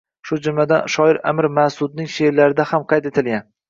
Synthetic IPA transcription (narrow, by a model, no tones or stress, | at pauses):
ʃʊd͡ʒʊmlad̪anʃɒɪɾa̰mɪɾmasʊd̪̚nɪŋʃeɾlaɾɪd̪ahamqʰɑjt̪et̪ʰɪlɡʲan